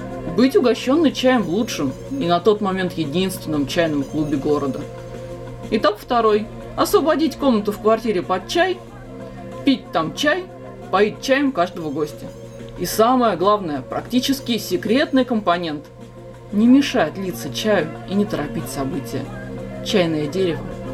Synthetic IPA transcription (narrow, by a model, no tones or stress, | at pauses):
bɨtʲʊɡɐɕːo̞nːɨjt͡ɕæjɪmvlˠutʂɨm | inɐt̪o̞t̪mɐmʲe̞nt̪jɪdʲinst̪vʲɪnːəmt͡ɕæjnəmklˠubʲɪɡo̞ɾəd̪ə | ɪt̪akft̪ɐɾo̞j | ɐsvəbɐdʲitʲko̞mnət̪ʊfkvɐrtʲiɾʲɪpɐt̪̚t͡ɕæj | pʲit̚ʲt̪amt͡ɕæj | pɐit̪̚t͡ɕæjɪmkaʐd̪əvəɡo̞sʲtʲə | isaməjəɡlˠavnəjəpɾɐktʲit͡ɕɪskʲɪsʲɪkɾʲe̞t̪nɨjkəmpɐnʲe̞nt̪ | nʲɪmʲɪʂajɪt̪lʲit̪sət͡ɕæjʊinʲɪt̪əɾɐpʲit̚ʲsɐbɨtʲɪjə̰t͡ɕæjnəjədʲeɾʲɪvə